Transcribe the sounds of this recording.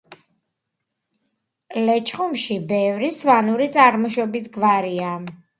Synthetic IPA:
lɛt͡ʃʰχumʃibɛvɾisvanuɾit̪sʼaɾmɔʃɔbisɡvaɾia

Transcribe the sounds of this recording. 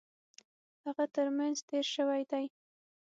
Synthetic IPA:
haɣat̪əɾmanzt̪eɾʃəwajd̪aj

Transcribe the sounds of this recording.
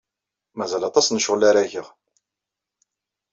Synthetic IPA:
mæzælɑt̪ˤɑsnəʃʁəlaɾæʝəʁ

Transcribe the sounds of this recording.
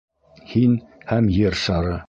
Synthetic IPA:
hinhæmjɘɾʃɑɾɤ

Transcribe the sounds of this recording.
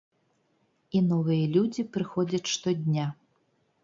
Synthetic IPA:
inɔvɨjɐlʲud͡zʲipɾɨxɔd͡zʲɐt͡sʲʂt̪ɔd̪ʲnʲa

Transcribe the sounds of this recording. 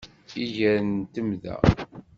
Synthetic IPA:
iʝæɾənt̪əmðæ̰

